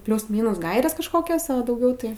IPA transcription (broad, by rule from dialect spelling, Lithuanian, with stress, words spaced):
ˈpʲlʲuːs ˈmʲiːnuːs ˈɡɐɪrʲeːs kɐʃˈkoːkʲoːs ɐ dɐʊˈɡʲɛʊ tɐɪ